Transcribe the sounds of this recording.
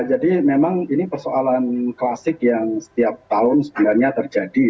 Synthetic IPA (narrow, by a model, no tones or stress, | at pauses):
d͡ʒadimemaŋinipərsoalanklasɪkjaŋsə̥t̪iap̚t̪aʊnsə̥bilarɲat̪ərd͡ʒadi